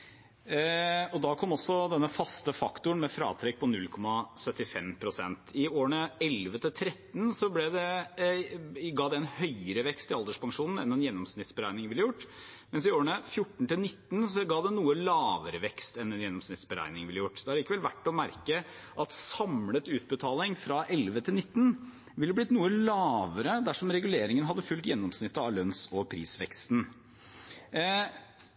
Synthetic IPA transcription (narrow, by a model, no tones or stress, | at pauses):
ɔd̪ɑːkʰɔmːɔsːɔd̪ɛnːəfɑst̪əfɑkt̪ʊəɳmɛfɾɑ̰ːt̪ʰɾɛk̚pʰɔnʉlkʰɔmɑsœt̪ːɪfɛmpʰɾʊsɛ̰nt̪ʰɪoːəɳəɛlʋət̪ʰɪlt̪ʰɾɛt̪ːn̩sɔblɛd̪ɛ | ɡɑːd̪ɛɛnhœʏəɾəʋɛkst̪ɪɑld̪əʂpɑŋʂuːnn̩ɛnːɛnjɛnːɔmsnɪt̪sbəɾæɪnɪŋʋɪlːəjʊʈː | mɛnsɪoːəɳəfjʊʈːɳ̩t̪ɪlnɪt̪ːn̩sɔɡɑːd̪ɛnuːəlɑːʋəɾəʋɛkst̪ɛnːɛnjɛnːɔmsnɪt̪sbəɾæ̰ɪnɪŋʋɪlːəjʊʈːd̪̥ɛhɑɾɭiːkəʋɛlʋæʈːɔmæɾkə | ʔɑt̪sɑmlət̪ʉːt̪̚bət̪ʰɑːlɪŋfɾɑʔɛlʋət̪ʰɪlnɪt̪ːn̩ | ʋɪlːəblɪt̪nuːəlɑːʋəɾəd̪æʂɔmɾɛɡʉleːɾɪŋənɦɑd̪ːəfʉlt̪jɛnːɔmsnɪt̪ːəɑlœnsɔpʰɾḭːsʋɛ̰kst̪n